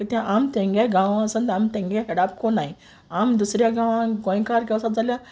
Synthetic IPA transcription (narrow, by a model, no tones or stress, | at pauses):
tət̪jãʔamt̪ẽŋɡaɡãʋãəsə̃nt̪amt̪ẽŋɡaɦɛɽapkonai | amd̪usɾjaɡãʋãɡõjkaɾɡɛwsat̪̚d͡zalja